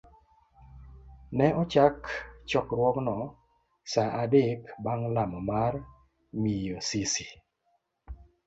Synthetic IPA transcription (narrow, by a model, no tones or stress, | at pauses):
nɛɔt͡ʃakt͡ʃɔkɾwɔknɔ | saʔadekbaŋlamɔmar | mijosisi